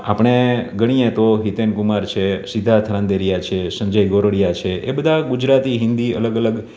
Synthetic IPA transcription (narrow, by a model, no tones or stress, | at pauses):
apɽ̃eɡəɽ̃iẽt̪oɦit̪enkumaɾt͡ʃʰesid̪ʱːat̪ʰəɾãnd̪eɾijat͡ʃʰesə̃ɲd͡ʒəjɡoɾəɽijat͡ʃʰeʔebəd̪ʱaɡud͡ʒɾat̪iɦɪnd̪iə̰ləɡələɡ